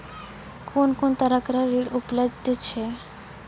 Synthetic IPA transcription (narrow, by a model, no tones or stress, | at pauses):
konkont̪aɾakɾaɾiɽupled̪t̪et͡ɕʰe